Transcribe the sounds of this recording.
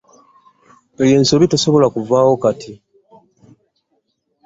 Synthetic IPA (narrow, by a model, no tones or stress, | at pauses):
eje̞ːnsoβitaso̞βo̞lakuvaːwo̞katʰi